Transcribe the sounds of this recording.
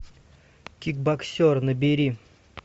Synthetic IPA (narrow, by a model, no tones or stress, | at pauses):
kʲik̚baksʲornəbʲɪɾʲi